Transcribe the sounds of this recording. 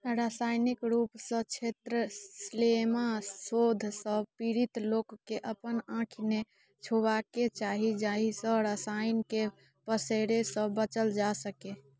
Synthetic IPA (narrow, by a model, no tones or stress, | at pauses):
ɾasajnikɾupsə̃t͡ʃʰet̪ɾəslemasod̪ʱsəbpiɾit̪lokːeʔəpənãkʰine | t͡ʃʰoβaket͡ʃaɦid͡ʒaɦisə̃ɾəsajnke | pəseɾesə̃bət͡ʃəld͡ʒasəke